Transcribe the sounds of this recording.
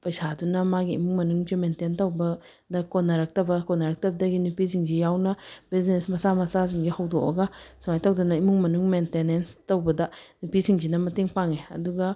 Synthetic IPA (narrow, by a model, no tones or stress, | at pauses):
pɐjsadunɐmaɡiimuŋmɐnuŋd͡ʒimententɐwbɐ | dɐkonːɐɾak̚tɐbɐkɔnaɾak̚tɐbɐdɐɡinupisiŋd͡ʒijawnɐbiznesmɐsamɐsaz̬iŋɡihɐwdoʔɐ̰ɡasumajtawdɐnɐimuŋmɐnuŋmentenenstɐwbɐdɐnupisʰiŋd͡ʒinɐmɐtiŋpaŋeɐ̰duɡɐ